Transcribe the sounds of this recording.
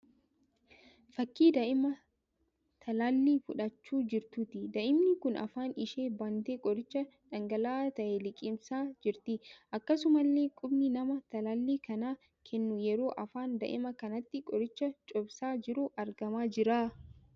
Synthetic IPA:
fɐkːiːd̪ɐʔɪmɐ | t̪ʰɐlaːlːiːfʊᶑɐt͡ʃːuːd͡ʒɪɾt̪ʊt̪ɪd̪ɐʔɪmnɪkʊnʔɐ̰faːnɪʃeːbɐnt̪eːkʼɔɾɪt͡ʃːɐ | ᶑɐŋɡɐlaːt̪ɐʔelɪkʼɪmsaːd͡ʒɪɾt̪ɪʔɐkːɐsʊmɐlːeːkʼʊbnɪnɐmɐt̪ɐlaːlːiːkɐnaː | kʰɛnːʊjɛɾo̞ːʔɐfaːnd̪ɐ̰ʔɪ̰mɐkɐnɐt̪ːɪkʼɔɾɪt͡ʃːɐt͡ʃʼɔbsaːd͡ʒɪɾʊʔɐɾɡɐmaːd͡ʒɪɾaː

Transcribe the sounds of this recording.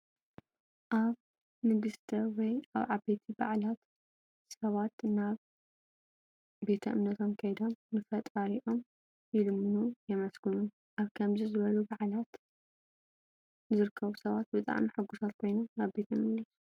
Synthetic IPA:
ʔaβ | nɨɡɨst̪ʰɐwɔjaβʕabet̪ʰiba̰ʕlat̪ | sɐβat̪naβ | be̞t̪ʰɐʔɨmnɐt̪ʰo̞mkʰɐjd̪o̞mnɨfɐt̪ʼaɾiʔo̞m | jɪlɨmːɨnujɛmɐsɡɨnun | ʔaβkʰɐmzizɨβɐlubaʕlat̪ | zɨɾɨkʰːɐβusɐβat̪̚bɨt̪ʼa̰ʕmiħɨɡːusat̪̚kʰo̞jnɐnaβbe̞t̪ʰjɛmɨlːɐsu̥

